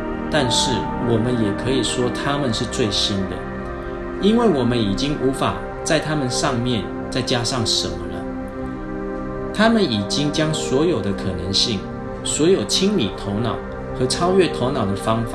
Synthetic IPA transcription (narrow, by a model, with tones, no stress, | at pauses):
t̪a˥˧nʂɻ̩˥˩ | wɔ˨˩mə˦njɛ˨˩kʰɤ˧˥i˨˩ʂwɔ˦t̪ʰa˦˥mə˨nʂɻ̩˥˧t͡swe˥˨ɪɕi˥nd̪ə̰˨ | i˥nwe˥˩ɪwɔ˨˩mə˦ni˨˩t͡ɕi˦ŋʔu˧˥fa̰˨˩ | t͡sa˥˩ɪt̪ʰa˦mə˨nʂɑ˥˧ŋmjɛ˥˨n | t͡sa˥˩ɪt͡ɕja˥ʂɑ˥˩ŋʂə̰˨˦nmə̰˦lə̰˨ | t̪ʰa˦mə˨ni˨˩t͡ɕi˦˥ŋt͡ɕjɑ˦ŋswɔ˧˥jo˨˩ʊd̪ə˦kʰɤ˨˩nə˨˦ŋɕi˥˩ŋ | swɔ˧˥jo˨˩ʊt͡ɕʰi˥ŋlḭ˨˩t̪ʰo˧˥ʊnɑ̰˨˩ʊ | xɤ˨˥ʈ͡ʂʰɑ˥ʊɥɛ˥˨t̪ʰo˧˥ʊnɑ˨˩d̪ə˨fɑ˥ŋfa˨˩˦